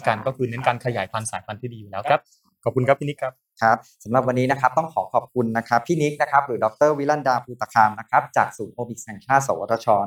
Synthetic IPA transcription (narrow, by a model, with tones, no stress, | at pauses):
ka˧nkɔː˥˩kʰɯː˧nɯ˦˥nkaː˧nkʰa˧jaː˩˦jpʰa˧nsaː˩˦jpʰa˧nt̪ʰiː˥˩diː˧˩juː˨˩lɛː˦˥wkʰa˦˥p̚ | kʰɔ˨˩p̚kʰu˧nkʰa˦˥pʰːi˥˩ni˦˥kʰːa˦˥p̚kʰa˦˥p̚sa˩˦mɾa˨˩p̚wa˧nːiː˦˥na˦˥kʰa˦˥p̚t̪ɔ˥˩ŋkʰɔː˩˦kʰɔː˨˩p̚kʰu˧nːa˦˥kʰa˦˥pʰːiː˥˩ni˦˥k̚na˦˥kʰa˦˥p̚ɾɯː˩˦dɔ˨˩k̚t̪ɤː˥˩wi˦la˥˩ndaː˧pʰuː˧˩t̪ʰa˧kʰaː˧mna˦˥kʰa˦˥p̚t͡ɕa̰ː˨˩k̚suː˩˦nʔʰoː˧mi˨˩k̚ɛ˧˩ŋt͡ɕʰaː˥˩t̪sa˨˦waː˧˩t̪ʰːa˧t͡ɕʰɔː˧n